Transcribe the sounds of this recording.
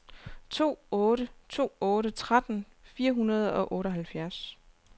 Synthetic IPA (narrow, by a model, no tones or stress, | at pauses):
t͡sʰo̝̰ːɔːɾət͡sʰo̝̰ːɔ̽ːɾət͡sʰʁad̥n̩ | fiːɐɦunɐð̞ˠɒ̽ʔɔ̽ːɾəɦælfjæɐs